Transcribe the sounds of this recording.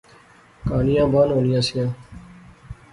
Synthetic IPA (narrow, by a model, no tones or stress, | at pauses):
kaːnɪjãːbaːnɦoːnɪjãːsɪjãː